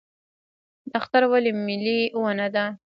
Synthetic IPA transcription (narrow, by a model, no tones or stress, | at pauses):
d̪axt̪aɾwalimːɪliwanad̪a